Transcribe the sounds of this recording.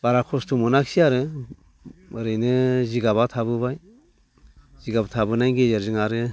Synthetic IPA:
baɾakʰɔstʰumɔnakʰsiaɾɯ | ɾɯjnɯziɡaβatʰabɯβaj | ziɡabatʰabɯnajɡezeɾzɯŋaɾɯ

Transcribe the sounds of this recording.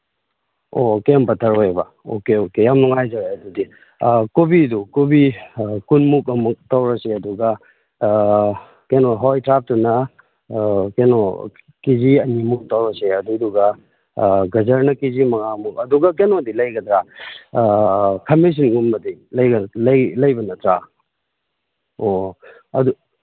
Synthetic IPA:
okempɐtʰɐɾojbɐ̰ | o̰keokejamnuŋajzɐɾajɐdudi | kobidukobikunmuk̬̚ɐmuk̚tɐwɾɐseɐduɡɐ | kenoɦɔjtɾap̚tunɐ | keno | kiziɐnimuk̚tɐwɾɐseɐduduɡɐ | ɡɐzɐɾnɐkizimɐŋamuk̚ɐduɡɐkenodilɐjɡɐdɾa | kʰɐmis̬inɡumbɐdilɐjɡɐlɐjlɐjbɐnɐtɾa | o | ɐdu

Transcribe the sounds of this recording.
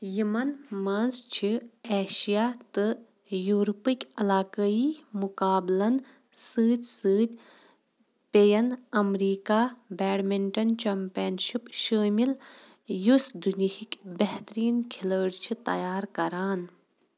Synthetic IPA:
jimɐnmɐnzt͡ʃʰieːʃijaːt̪ɨ | juːɾpikʲɐlaːkəiːmukaːblɐn | sɨːd̪ʲsɨːd̪ʲ | pejɐnɐmɾiːkaːbɛːɽmeɳʈɐnt͡ʃɐmpejɐnʃipʃəːmil | jusd̪unihikʲbeɦt̪ɾiːnkʰiləːɽt͡ʃʰit̪ɐ̰jaːɾkɐɾaːn

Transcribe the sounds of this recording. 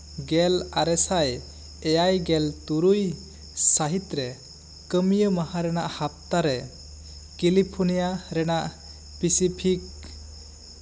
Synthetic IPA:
ɡɛlaɾɛsaj | ɛjajɡɛlt̪uɾuj | saɦit̪ɾɛ | kəmijəmahaɾɛnaʔhap̚t̪aɾɛ | kilipʰunijaɾɛnaʔ | pisipʰik̚

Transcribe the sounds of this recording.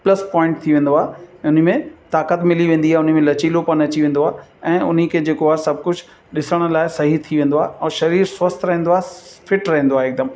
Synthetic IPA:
plɐspɔ̃ːɪ̃ɳʈ̚t̪ʰiʋẽːn̆d̪oaːɦʊn̤̆mẽt̪aːkət̪mɪliʋẽːn̆d̪iaʊn̆mẽlɐt͡ɕiːlopɐnɐt͡ɕiʋẽːn̆d̪oaːɛ̃ːʊn̤ikʰeːd͡ʑeːkoaːsɐb̚ʱkʊd͡ʑʱ | ɗɪsəɽ̃̆laːɪsɐɦit̪ʰiʋẽːn̆d̪oaːɦɛ̃ːʃɐɾiːɾsʋɐst̪ʰɾɐɦẽnd̪oaːɦfɪʈɾɐɦẽːn̆d̪oaːɦeɪk̚d̪əm

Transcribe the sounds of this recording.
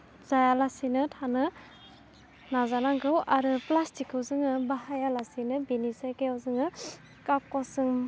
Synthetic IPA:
zajalasinɯtʰanɯ | nazanaŋɡɯwaɾɯplastʰikʰɯwzɯŋɯbaɦajalasinɯbinisajkejawzɯŋɯ | kap̚kasɯŋ

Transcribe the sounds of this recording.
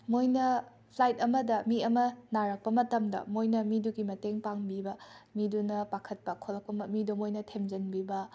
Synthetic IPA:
mojnɐ | pʰlajtɐmɐdɐmiɐmɐnaɾɐk̚pɐmɐtɐmdɐ̰mojnɐmiduɡimɐteŋpaŋbibɐmidunɐpakʰɐt̚pɐkʰolɐk̚pɐmɐmidomojnɐtʰemd͡ʒɐnbibɐ

